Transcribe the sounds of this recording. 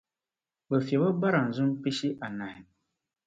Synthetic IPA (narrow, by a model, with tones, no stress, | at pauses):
bɛ˨fɛ˨ba˦ba˦ɾa˨n̩˨zʊ˦m˦pi˦ʃi˦ʔa˨na˨hɪ˨m